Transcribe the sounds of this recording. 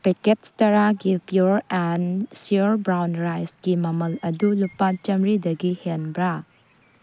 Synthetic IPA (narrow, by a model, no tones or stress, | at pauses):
peketstɐɾaɡipjuɾensiuɾbɾawnɾajsɡimɐmɐlɐdulupat͡ʃɐmɾidɐɡihenbɾa